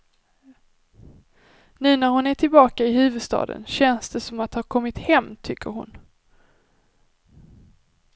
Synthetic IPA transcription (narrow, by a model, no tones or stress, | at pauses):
nʉ̟ːnæɾhʊnæʈʰɪlbɑːkaɪɦʉ̟ːvɵd̪st̪ɑ̰ːd̪ə̰nɕɛnsd̪ɛsɔmat̪haɾkʰɔmːɪt̪hɛmːt̪ʰʏkʰːəɾhʊ̰n